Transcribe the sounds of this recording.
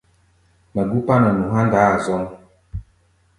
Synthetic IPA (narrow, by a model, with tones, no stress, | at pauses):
ma˨ɡu˦pa˦na˨nũ˨ɦa˦nda˨˦a˨zɔ˦ŋ